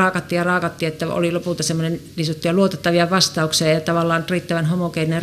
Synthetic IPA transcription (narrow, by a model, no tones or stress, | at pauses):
ɑːkɑt̪ːiːjjɑrɑːkɑt̪ːiet̪ːæo̰lilopult̪ɑsemːonenniːsot̪ːiɑluot̪et̪ːɑʋiɑʋɑst̪ɑukseɑjɑt̪ɑʋɑlːɑːnt̪riːt̪ːæʋænhomokeinner